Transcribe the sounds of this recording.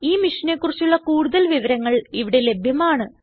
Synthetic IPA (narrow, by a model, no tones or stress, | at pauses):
iːmiʂɐnekːurit͡ɕːuɭːɐkuːɽuðɐlʋiʋɐɾɐŋːɐɭiʋiɽe̞le̞bʱjɐmaːɳɨ